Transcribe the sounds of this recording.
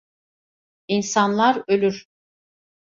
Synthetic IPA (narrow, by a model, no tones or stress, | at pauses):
insanlˠaɾølʲyɾ̥